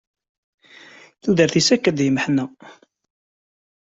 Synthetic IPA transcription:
θuðəɾθisækːæd̪jəməħnæ

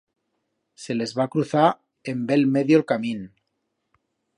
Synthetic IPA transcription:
se̞le̞zβakɾuθa | e̞mbe̞lmeðjolkamĩn

